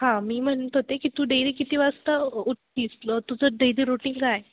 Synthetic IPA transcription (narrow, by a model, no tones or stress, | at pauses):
hãmiːm̤əɳt̪ɦot̪ekit̪uːɖejlikit̪iʋast̪əuʈːiːsət̪ud͡zəɖejliːɾuʈiŋɡd͡zaj